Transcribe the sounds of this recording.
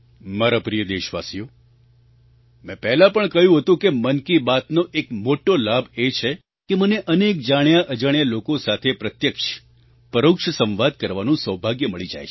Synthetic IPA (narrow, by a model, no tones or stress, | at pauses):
maɾapɾijəd̪eʃʋa̰sijo | mɛ̃pɛɦlãpəɳkəjũɦət̪ũkemənkibat̪noʔekmoʈolabʱet͡ʃʰe | keməneʔənek̚d͡ʒaɳjaʔəd͡ʒaɳ̃jalokosat̪ʰepɾət̪jəkʃ | pəɾəkʃəsə̃mʋad̪̚kəɾʋanũsəwbʱaɡjəməɭid͡ʒa̰jt͡ʃʰ